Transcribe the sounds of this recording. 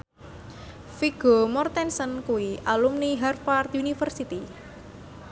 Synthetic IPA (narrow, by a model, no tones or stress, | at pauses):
fiɡ̥omɔrt̪ɛnsənkuwiʔalumniɦarfart̪unifərsit̪i